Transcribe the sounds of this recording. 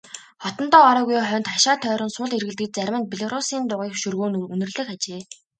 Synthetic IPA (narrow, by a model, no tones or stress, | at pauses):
χɔt̪ɞ̆nt̪ɔːɾɔːɣujχœnʲt̪χaʃaːt̪ʰœːɾɞ̆nsʊːɮerɣɘ̆ɮt̪ɡɘ̆t͡ɕ̚t͡sæɾʲmə̆n̚pʲeɮɔɾʊsiːnt̪ʊʁiːkʃɵrɣoːnunɘ̆rɮɘ̆xat͡ɕeː